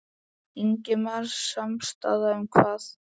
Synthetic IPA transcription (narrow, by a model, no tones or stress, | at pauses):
iɲcɪmaɾsamst̪a̰ːðaʏmkʰvaːθ